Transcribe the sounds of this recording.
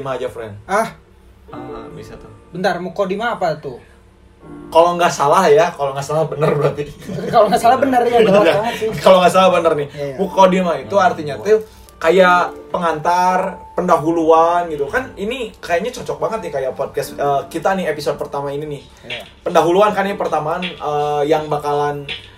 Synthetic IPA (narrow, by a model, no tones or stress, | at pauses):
imaːd͡ʒafɾɛ̰nah | bisat̪ubənt̪armukodimaːpat̪u | kaloŋɡaʔsalahjakaloŋɡaʔsalahbənərbɾat̪ikaloŋɡasalahbənərjaənakaloŋɡaʔsalahbənərnɪhmukodimait̪uart̪iɲat̪u | kajaʔpəŋant̪arpəndaɦuluanɡit̪ukaninikajaɲat͡ʃɔt͡ʃɔk̚baŋət̪̚nɪkajapɔd̚kɛst̪əːkit̪anɪepisod̚pərt̪amaininɪh | pəndaɦuluankanipərt̪amaːnəjaŋbakalan